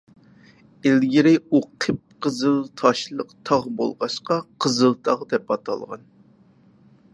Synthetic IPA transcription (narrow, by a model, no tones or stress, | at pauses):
elɡʲiɾɪuqʰəp̚qəzɨlˠt̪ʰɑʃlˠəqt̪ʰɑʁbo̰lˠʁɑʃqɑqʰəzɨlˠt̪ʰɑʁd̪ɛpɑt̪ʰɑ̰lˠʁɑ̰n